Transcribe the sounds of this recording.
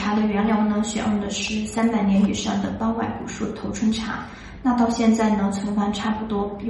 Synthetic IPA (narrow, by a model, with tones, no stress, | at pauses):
a˧˥d̪ə˨ɥɛ˧˥nljɑ˧˥ʊnə˧˩ɕɥɛ̰˨˩ʔə˥˩d̪ə˨˩ʂɻ̩˥˩sa˥npa˨˩ɪnjɛ˧˥ny˨˩ʂɑ˥˩ŋd̪ə˩p̪ɑ˥ʊwa˥˩ɪkṵ˨˩ʂu˥˩t̪ʰo˧˥ʊʈ͡ʂʰwə˥nʈ͡ʂʰa̰˧˥ | na˥˧t̪ɑ˥˧ʊɕjɛ˥˧nt͡sa˥˩ɪnə˧˥t͡sʰə˧˥nxwa˥nʈ͡ʂʰa˥pu˧˩t̪wɔ˥